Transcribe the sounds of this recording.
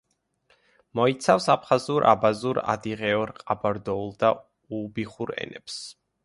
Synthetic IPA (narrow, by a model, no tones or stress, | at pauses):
mɔit̪sʰafsapʰχazuɾʔa̰bazuɾa̰d̪iʁɛɔɾqʼabaɾd̪ɔulˠd̪a | ubiχuɾɛ̰nɛps